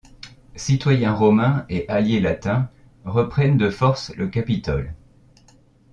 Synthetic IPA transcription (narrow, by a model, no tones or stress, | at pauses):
sit̪wajɛ̃ʁɔmɛ̃eʔaljelat̪ɛ̃ | ʁəpχɛnd̪əfɔʁsləkapit̪ɔl